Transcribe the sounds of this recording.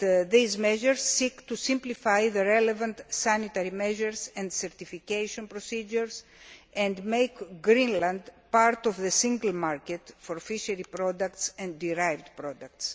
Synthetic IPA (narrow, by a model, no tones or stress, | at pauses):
ðizmeʒeɾzːikt̪usimplifajðeɾelevɐ̃nt̪sanit̪ɐɾimeʒeɾsẽnd̪seɾt̪ifikejʃonpɾosid͡ʒuɾsẽnd̪mejkɡɾĩnlɐ̃nd̪paɾt̪ovðesĩŋɡɐlmaɾket̪foɾfiʃɐɾipɾod̪ɐkt̪sẽnd̪d̪iɾajvd̪pɾod̪ɐk̚t̪s